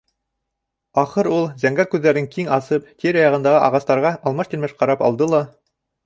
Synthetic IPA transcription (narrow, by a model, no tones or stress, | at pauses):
ɑχɤɾulˠzæŋɡæɾkʉðːæɾɘŋkiŋɑsɤpt̪iɾɑjɑʁɤ̆nd̪ɑʁɤʔɑʁɑst̪ɑɾʁɑʔɑlˠmɑʃt̪ilʲmæʃqɑɾɑpɑ̰lˠd̪ɤlˠɑ